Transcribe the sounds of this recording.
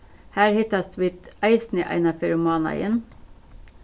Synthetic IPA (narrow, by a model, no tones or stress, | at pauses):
hæːɾhɪt̪ɑst̪ʋɪt̪æɪsnəʔæ̰ɪnɑfɛɾmɑːnɑ̰ɪən